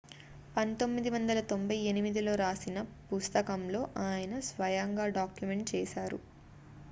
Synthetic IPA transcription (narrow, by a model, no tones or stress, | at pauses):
pɐnt̪o̞mːid̪iʋɐnd̪ɐlɐt̪o̞mbʱɐjenimid̪ilo̞ːɾaːsinɐpust̪ɐkɐmlo̞ːʔaːjɐnɐsʋɐjaːŋɡaːɖaːkjume̞ɳʈ̚t͡ʃɛːsaːɾṵ